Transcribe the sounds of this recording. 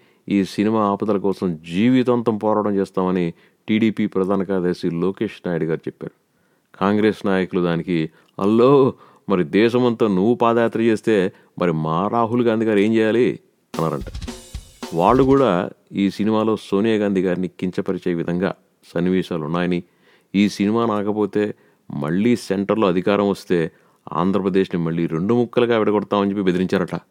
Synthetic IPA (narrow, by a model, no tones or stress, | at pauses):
iːsinimaːaːpɐd̪ɐlɐkɔːsɐmd͡ʒiːʋit̪ɐnt̪ɐmpɔːɾaːʋɐɽɐmt͡ʃɛːst̪aːmɐni | ʈiːɽiːpiːpɾɐd̪ʱaːnɐkaːd̪eːsiloːke̞ːʂnaːjɽiɡaːɾut͡ʃɛpːa̰ːɾu | kʰaːŋɡɾeːsnaːjɐkulud̪aːniki | ɐ̰lːoː | mɐɾid̪ɛːʃ̬ɐmɐnt̪oːnuʋːupaːd̪ɐjaːt̪ɾɐt͡ʃe̞ːst̪e̞ː | mʔɐɾimaːɾaːɦulɡaːnd̪ʱiɡaːɾeːmt͡ʃɛːjaːli | ɐnːaːɾɐ̰ɳʈaː | ʋaːɭːukuːɽaːiːsinimaːlo̞ːso̞ːnijɐɡaːnd̪ʱiɡaːɾinikiɲt͡ʃɐpɐɾit͡ʃɐːjɐʋid̪ʱɐŋɡa̰ː | sɐnːiʋɛːʃaːlunːaːjɐni | iːsinimaːnaːkɐpo̞ːt̪e̞ː | mɐ̰ɭːiːseɳʈɐɾloːɐd̪ʱikaːɾɐmʋɐst̪e̞ː | a̰ːnd̪ʱɾɐpɾɐd̪e̞ːʃnimɐɭːiːɾe̞ɳɖumukːɐlɐɡaːʋɛɽɐɡɔɽɐt̪aːmɐɲt͡ʃepːibe̞d̪iɾiɲt͡ʃaːɾɐʈːa̰ː